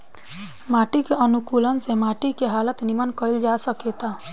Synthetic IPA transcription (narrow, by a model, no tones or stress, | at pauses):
maʈikeʔənukulənsemaʈikeɦalət̪nimənkəild͡ʒasəket̪a